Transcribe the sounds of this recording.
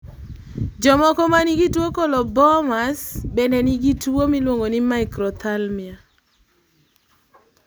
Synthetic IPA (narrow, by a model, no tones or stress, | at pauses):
d͡ʒɔmɔkɔmaniɡitwokɔlɔbɔmasbɛnɛniɡitwomilwoŋɡonimaɪkɾɔt̪almɪa